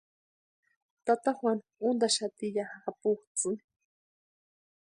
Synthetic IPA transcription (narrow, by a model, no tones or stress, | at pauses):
t̪at̪axwan | ʊnd̪aʃat̪iʎahːpʊxt͡sɨ